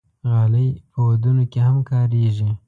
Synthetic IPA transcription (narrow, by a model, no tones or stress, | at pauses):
ɣɑləjpəwad̪unokehamkɑːɾeʒi